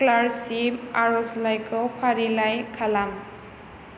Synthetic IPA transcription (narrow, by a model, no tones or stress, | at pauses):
klaɾsiaɾuslajkopʰaɾilajkʰalam